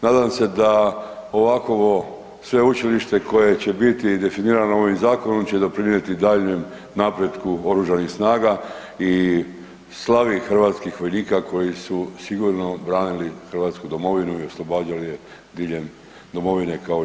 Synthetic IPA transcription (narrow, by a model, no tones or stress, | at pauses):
naːd̪amse̞d̪ao̞ʋako̞ʋo̞ | sʋe̞ut͡ʃiliʃt̪e̞ko̞je̞t͡ɕe̞bit̪id̪e̞finiːɾanoo̞ʋimzaːko̞no̞mt͡ɕe̞d̪o̞pɾinje̞t̪id̪aːʎɲem | napɾe̞d̪kuo̞ɾuʒanixsnaːɡa | i | slˠaʋixr̩ʋaːt̪skixʋo̞jniːkakʰo̞jisusiɡuɾno̞bɾaːnilixrʋaːt̪skud̪o̞mo̞ʋinuio̞slˠo̞baːd͡ʒalije | d̪iːʎe̞m | d̪o̞mo̞ʋine̞kao